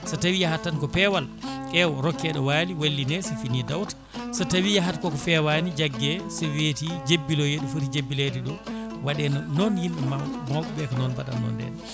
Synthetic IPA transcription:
satawijahatːankɔpɛwalʔɛwɔɾɔkːɛɗɔwaliwalːinɛsɛfinidawtḁsatawijaɦatkɔkɔfɛwanid͡ʒaɡːɛsɛwetid͡ʒebːilɔjeɗufutid͡ʒebːilediɗɔ | waɗɛnɔnjinɗɛmamɔɓɛɓɛkɔnɔnbaɗa̰nːɔ̰ndɛ̰n

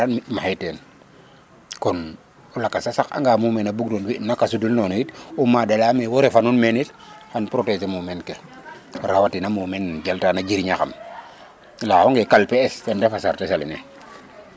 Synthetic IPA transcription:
animaɦajteːn | kɔn | ɔlakːasasaka̰ŋɡaːmumenabuɡdɔnwinakasudulnɔːnoitumadelaːmewoɾefanunmenit | hanpɾotesemumenke | ɾawatinamuːmenɟaltanaɟiɾɲaxam | lahoŋɡekalpeːsɛndefasaɾtesaline

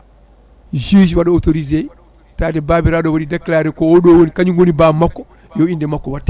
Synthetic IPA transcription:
d͡ʒiːd͡ʒwaɗɔotoɾize | taːtɛbaːbiɾaːɗɔwaɗidakːlaːɾɛkɔɔɗɔwonikaɲinwonibaːmakːɔ | jɔindɛmakːɔwatːa

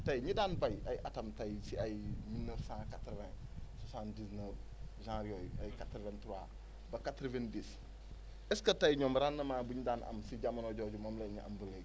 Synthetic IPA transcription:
tɐjɲidaːnbɐjɐjʔɐtɐmtɐjsiɐjmilnəfsãkatɾvɛ̃susãːndisnəʒãɾiojɐjkatɾvɛntuwaː | bɐkatɾvɛndis | ɛskɐtɐjɲɔmɾanːɐmaːbuɲidaːnʔɐ̰msiɟamɐnɔɟɔːɟumɔmlɛɲiʔɐ̰mbulɛ

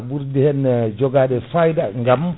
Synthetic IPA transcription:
buɾdihɛnd͡ʒɔɡaɗɛsajdaŋɡam

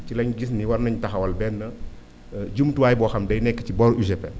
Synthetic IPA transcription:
cilɐɲɟisniwɐɾnɐɲtɐxɐwɐlbɛnːə | ɟumtuwaːjbɔːxɐmdɐjnɛkːəcibɔɾuʃ̬ɛpɛ

